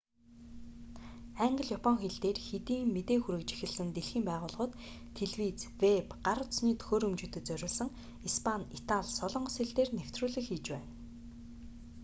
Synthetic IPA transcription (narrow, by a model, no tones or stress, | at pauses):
æɴɢə̆ɮjapʰɔŋxeɮt̪eːrxet̪iːŋmet̪eːxuɾɘ̆kt͡ɕi̥xɘ̆ɮɘ̆nt̪eɮxiːmpæːʁʊːɮʁɞ̆t̪ʰː | eɮwit͡svepɢaɾʊt̪sniːt̪ʰɵ̥xoːɾɵmt͡ɕɵ̆t̪ɵ̆t̪t͡sœɾʲʊ̆ːɮsə̆ŋ | ispʰanit̪ʰaɮsɔɮɞ̆ɴɢɞ̆seɮt̪eːrnew̥t̪ruːɮɘ̆xiːt͡ɕpæːn